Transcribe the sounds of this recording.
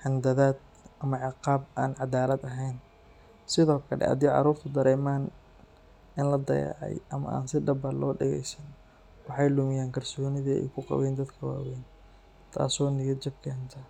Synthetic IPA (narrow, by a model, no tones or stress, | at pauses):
ħɪnd̪ɐðaːd̪̚ | ʔɐmɐʕɪqɑːbaːnʕɑd̪aːlɐd̪ɐɦɛjn | sɪðɔːkʰɐlɛ̰ɐ̰d̪iːʕɑ̰ɾuːrt̪ʰɐd̪ɐɾɛːmaːn | ɪnlɐd̪ɐ̰jɛ̰ʕɑ̰jʔɐmɐ̰ʔa̰ːnsɪɖɐbɐlɔːɖɛɣɛ̰jsɐn | wɑħɑjlʊmɪjaːŋkʰɐrsɔːnɪðiɛ̰jkʰʊqɑ̰βɛːnd̪ɐd̪kʰɐwa̰ːwɛːn | t̪ʰa̰ːsɔːnɪjɪt͡ʃɪb̚kʰɛːnt̪ʰɐ